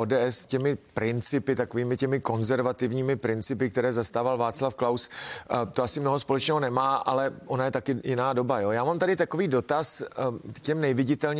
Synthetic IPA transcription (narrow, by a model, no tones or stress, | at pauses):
oːdɛːʔɛscɛmɪpɾɪnt͡sɪpɪt̪akoviːmɪcɛmɪko̞nzɛɾvat̪ɪvɲiːmɪpɾɪnt͡sɪpɪk̚t̪ɛɾɛːzast̪aːvalvaːt͡slafklawst̪oasɪmnoɦospo̞lɛt͡ʃnɛːɦonɛmaːʔalɛʔonajɛt̪akɪjɪnaːdo̞bajo̞jaːmamt̪adɪt̪akoviːdo̞t̪askcɛmnɛvɪɟɪt̪ɛlɲ